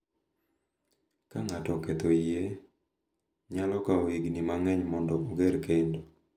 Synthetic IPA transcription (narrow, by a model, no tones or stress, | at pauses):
kaŋatɔket̪oije | ɲalɔkaɔwiɡnimaŋɛɲmɔndɔoɡeɾkendo